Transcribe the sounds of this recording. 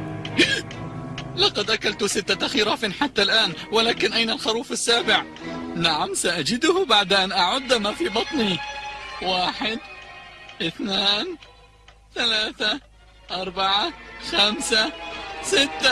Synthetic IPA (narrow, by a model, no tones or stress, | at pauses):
lɑqɑd̪ʔakalt̪ʊsɪt̪ːaaxiɾˤɑːfɪnħat̪ːalʔaːnwɪlaːkɪnʔajnalxɑɾuːfasːaːbɪʕ | naʕamsaʔad͡ʒɪd̪ʊhbaʕd̪ʔanʔaʕʊd̪ːmafibɑt̪ˤni | waːħɪd̪ | ʔɪθnaːn | θalaːθa | ʔɑɾˤbaʕaxamsasɪt̪ːa